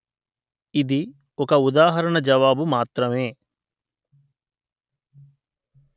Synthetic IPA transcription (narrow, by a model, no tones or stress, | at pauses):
id̪i | ɔkɐud̪aːɦɐɾɐɳɐd͡ʒɐʋaːbumaːt̪ɾɐmeː